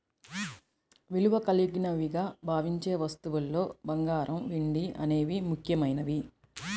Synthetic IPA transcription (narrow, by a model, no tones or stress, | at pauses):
ʋiluʋɐkɐliɡinɐʋiɡaːbʱaːʋiɲt͡ʃeːʋɐst̪uʋulːo̞ːbɐŋɡaːɾɐmʋiɳɖiɐ̰ne̞ːʋimukʰjɐmɐjnɐʋi